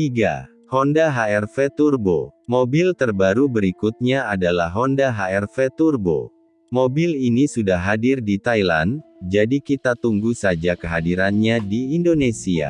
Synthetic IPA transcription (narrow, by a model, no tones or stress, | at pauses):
t̪iɡa̰ | hɔndaɦaɛrfet̪urbo̰mobilt̪ərbaɾubəɾikut̪̚ɲaadalahɦɔndaɦaɛrfet̪urbo̰ | mobilinisudahɦːadɪrdit̪ajla̰nd͡ʒadikit̪at̪uŋɡusad͡ʒakəɦadiɾanɲadiːndonesia̰